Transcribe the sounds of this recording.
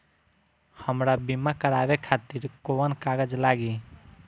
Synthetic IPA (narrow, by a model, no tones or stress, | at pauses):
həmɾabimakəɾabekʰat̪iɾkoənkaɡəd͡ʒlaɡi